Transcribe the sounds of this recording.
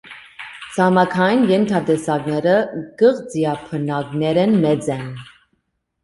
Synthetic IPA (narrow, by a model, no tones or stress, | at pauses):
t͡sʰɑmɑkʰɑjinjɛnt̪ʰɑd̪ɛsɑɡnɛɾəɡ̥əʁd͡ziɑpʰənɑɡnɛɾɛnmɛd͡zɛn